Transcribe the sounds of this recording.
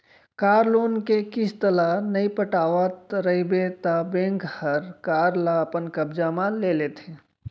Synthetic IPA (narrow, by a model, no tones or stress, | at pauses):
kaːɾloːnkekɪst̪əlanəipəʈaːʋət̪ɾəibet̪abẽːŋkhəɾkaːɾlaəpənkəbd͡ʒamãlelet̪ʰe